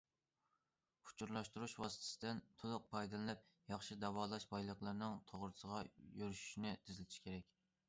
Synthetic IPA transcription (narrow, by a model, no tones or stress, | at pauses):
u̥t͡ʃʰuɾlˠɑʃt̪uɾuʃwɑsɨt̪ʰɪ̥sɪd̪ɪnt̪ʰolˠʊq̚pʰɑjd̪ɨlˠɨnɛp̚jɑχʃid̪ɑwɑːlˠɑʃbɑjlˠəqlˠɨɾnɨŋt̪ʰoʁɾɨsəʁɑjøɾyʃy̥ʃinɪd̪ʰɪzlɪt̪ʰɪʃkʲʰeɾɛkʲ